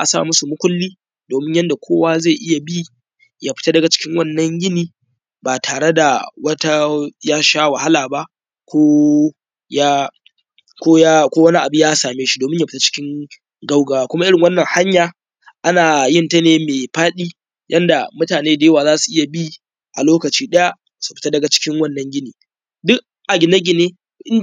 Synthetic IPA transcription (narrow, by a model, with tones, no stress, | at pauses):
ʔa̰˨sa̰˦˨mʊ˦su˨mʊ˦kʷʊ˦lːiː˦ | doː˨mɪ˦ɲjɐ˦nda˨kʷʰoː˦waː˦ze˦˨ʔɪ˦ja˨biː˦ | ja˦ɸɪ̥˦ta˦dɐ˨ɡa˨t͡ʃɪ̥˦kʲɪ˦ŋwɐ˦˨nːɐ˦ɲɡɪ˦niː˦ | baː˨tʰaː˨ɽe˦da˨wɐ˦ta˦jaː˦ʃaː˦wa˨ha˦laː˨ba˦ʔ | kʷoː˦ | ja˦ | kʷoː˦ja˦kʷoː˦wɐ˦ni˦ʔa˨bʊ˦ɲjaː˦saː˨meː˦ʃi̥˦doː˨mɪ˦ɲja˦ɸɪ̥˦ta˦t͡ʃɪ̥˦kʲɪ˦ŋ | ɡa˦wɡaː˨waː˦kʷʊ˦ma˦ʔɪ˦ɽɪ˨ŋwɐ˦nːɐ˨ŋha˦ɲjaː˨ | ʔa˦naː˨jɪ˦˨nta˦neː˨meː˨ɸaː˦ɗiː˦ | jʔɐ˦nda˨mʊ˦taː˨neː˦da˨jɐ˦waː˨zaː˦su˨ʔɪ˦ja˨bi˦ | ʔa̰˨loː˦kɐ˨t͡ʃiː˦ɗɐ˦ja˦ | su̥˨ɸɪ̥˨ta˦dɐ˨ɡa˨t͡ʃɪ̥˦kʲɪ˦ŋwɐ˦nːɐ˨˦ŋɡʲɪ˦niː˨ | dʊ˦ʔ | ʔa˨ɡʲɪ˨na˦ɡʲɪ˨neː˦ | ʔɪ˦n